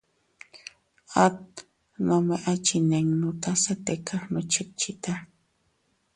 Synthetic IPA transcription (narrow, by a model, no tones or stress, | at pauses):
at̪̚ | nomeʔat͡ʃineŋnut̪asat̪ekʰaxnot͡ʃɪt͡ʃit̪a